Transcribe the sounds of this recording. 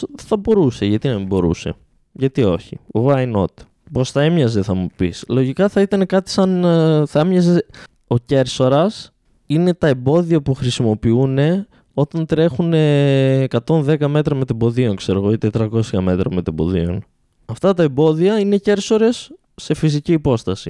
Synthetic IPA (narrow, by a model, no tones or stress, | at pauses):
θɐbo̞ɾuse̞ʝɐt̪inɐbo̞ɾṵse̞̰ | ʝɐt̪io̞çiɐino̞̰t̪e̥ | po̞sθɐe̞mɲɐze̞θɐmupḭslo̞ʝikɐθɐit̪ɐne̞kɐt̪i̥sɐnθɐemɲɐze | o̞ce̞ɾso̞ɾɐs | ine̞t̪ɐe̞mbo̞ðiɐpuxɾisimo̞piune̞ | o̞t̪ɐnt̪ɾe̞xune̞ːkɐt̪o̞nðe̞kɐme̞t̪ɾɐmet̪ebo̞ðio̞ŋkse̞ɾo̞ɣoit̪et̪ɾɐko̞sçɐme̞t̪ɾɐmet̪embo̞̰ðḭo̞n | ɐft̪ɐt̪ɐe̞mbo̞ðiɐine̞ce̞ɾso̞ɾe̞sː | e̞fis̬iciːpo̞st̪ɐsi